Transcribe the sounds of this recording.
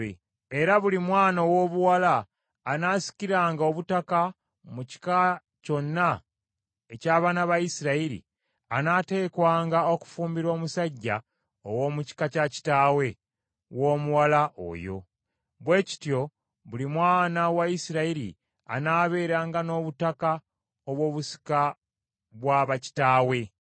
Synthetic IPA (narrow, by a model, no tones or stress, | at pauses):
eɾaβulimwaːnowo̞ːβuwalaː | naːsi̥ciɾaːŋɡao̞βutaka | muci̥ka | co̞nːa | ecaːβaːnaβajisiɾaiɾḭ | anate̞ːkwaːŋɡao̞ku̥fuːmbiɾo̞ːmusaɟːa | owo̞ːmuci̥kacaci̥taːwe̞ | wo̞ːmuwalaʔo̰jo̞̰ | βwe̞ːci̥tjo̞ | βulimwaːnawaisiɾaiɾḭ | a̰naːβe̞ːɾaːŋɡano̞ːβutaka | oβwo̞ːβusi̥ka | βwaβaci̥taːwe̞